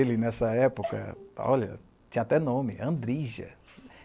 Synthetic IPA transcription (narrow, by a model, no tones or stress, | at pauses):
elɪnɛsɐɛpokɐ̰ɔ̰ʎɐ̰ | t͡ʃĩɲɐat̪ɛnõmɪ̰ɐ̰̃d̪ɾiʒɐ̰